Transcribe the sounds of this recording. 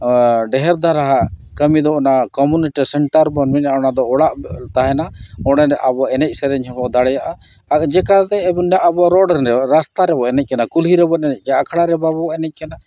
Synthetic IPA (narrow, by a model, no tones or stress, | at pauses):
ɖɛɦɛɾd̪ʱaɾaɦaʔkəmid̪ɔnakɔmuniʈisɛɳʈəɾbɔnmɛɲaɔnad̪ɔɔɽaʔt̪aɦɛnaɔɽ̃ɛɾɛʔabɔɛnɛc̚ˀsɛɾɛɲɦɛbɔd̪aɽɛjaʔa | akd͡ʒɛkad̪ɛːbɔnjaʔabɔaɾɔɖɾnɾɛɔɾast̪aɾɛbɔɛnɛc̚ˀkɛnakulɦiɾɛbɔʔɛnɛc̚ˀkakʰɽaɾɛbabɔɛnɛc̚kɛna